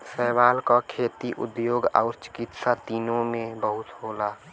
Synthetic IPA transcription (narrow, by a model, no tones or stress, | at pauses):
sɛːbaːlkakʰeːt̪iʔʊ̰d̪joːɡɔ̰ʊɾt͡ʃɪ̥kɪt̪sat̪iːnõmẽbəɦʊt̪ɦoːla